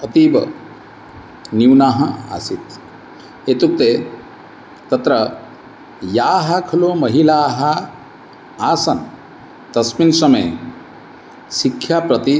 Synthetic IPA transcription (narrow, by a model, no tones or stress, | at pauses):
ɐt̪ib | niwnaɦɐ̃a̰sit̪ | et̪uk̚t̪e | t̪ɐt̪ɾə | jaɦakʰɐlomɐɦilaɦa | aːsɐn | t̪ɐsminsɐmḛ | sikʰːjapɾɐt̪i